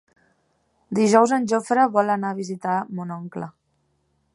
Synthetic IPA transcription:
d̪iʒɔwzənʲʒofɾəβɔlənaβ̞izit̪amunɔŋklə

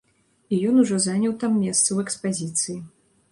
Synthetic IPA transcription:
ijɔnuʐɔzanʲɐwt̪amːʲɛst̪sɐwɛkspazʲit̪sɨji

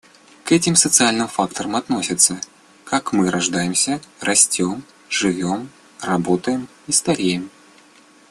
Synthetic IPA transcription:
kɛtʲɪmsət̪sɨalʲnɨmfakt̪əɾəmat̪nosʲɪt̪sːə | kakmɨɾaʐd̪ajɪmsʲɐrʔasʲt͡sʲɔm | ʐɨvʲɔm | rabɔt̪əjɪm | ist̪aɾʲejɪm

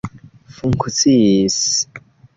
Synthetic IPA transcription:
fuŋkʰut͡sis

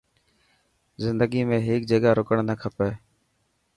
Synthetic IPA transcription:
zɪnd̪əɡiːmẽːɦeːk̚d͡ʒəɠaːɾoːkəɳnəkʰəpeː

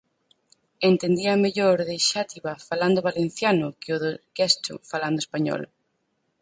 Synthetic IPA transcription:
ent̪end̪iameʎoɾðeʃat̪iβafaland̪ʊβalen̟θjanʊkɪʊðokɛst̪ʊ̰faland̪ʊespaɲɔ̰l̰

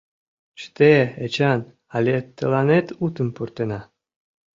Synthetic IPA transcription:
t͡ɕt̪eet͡ɕɑn | ɑlʲet̪ːəlɑnet̪ut̪əmpurt̪enɑ

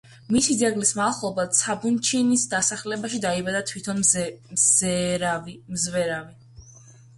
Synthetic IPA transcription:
misid̪zaɡlismalˠχlˠɔbat̪sʰabunt͡ʃʰinisd̪asaχlɛbaʃid̪aibad̪at̪ʰwit̪ʰɔnzvimzvɛɾavi

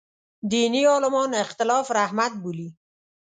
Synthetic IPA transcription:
d̪iniɔlɪmɔnɪxt̪ɪlɑfɾahmat̪̚buli

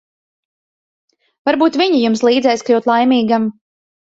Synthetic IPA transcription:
vaɾbuːt̪vʲiɲijumslˠiːd̪zɛjsklʲuwt̪lˠajmʲiːɡam

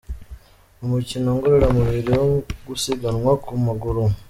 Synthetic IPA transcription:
omucinoːŋɡoɾeɾamuβiɾiwoɡusiɡanwakumuɡuɾu

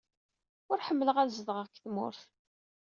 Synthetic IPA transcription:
ʊɾħəmːələʁæɾzəðʁəʁkːθmʊ̰ɾθ

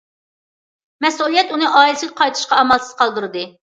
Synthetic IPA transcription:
mɛsulˠijɛt̪unɨʔɑːilɪsɨlzqʰɑjt̪ʰɨ̥ʃqɑɑmɑlˠsɨ̥z̥qʰɑlˠd̪ɨɾɨd̪ɨ

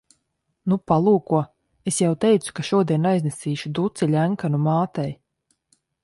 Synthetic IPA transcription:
nupalˠuːkuɔ | esjawt̪ɛjt̪su̥kaʃuɔd̪iɛnajznesiːʃud̪ut̪silʲæŋkanumaːt̪ɛj

